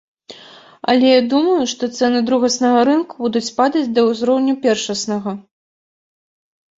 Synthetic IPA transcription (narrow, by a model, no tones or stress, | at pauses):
ɐ̰lʲɛjad̪umɐjuʂt̪ɔt̪sɛnɨd̪ɾuɣɐsnɐɣɐɾɨnkubud̪ut͡sʲpad̪ɐd͡zʲd̪ɐuzɾɔwnʲupʲɛrʂɐsnɐɣɐ